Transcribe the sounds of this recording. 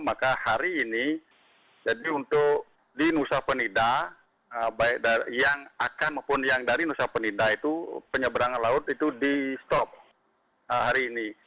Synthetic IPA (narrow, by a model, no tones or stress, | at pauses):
makahaɾiːni | d͡ʒadiunt̪ʊk | dinusahpənida | əbaɪk̚dajaŋakanməpʊnjaŋdaɾinusahpənidait̪upəɲəbəɾaŋanlaʊt̪it̪udist̪ɔp̚ | əhaɾiːni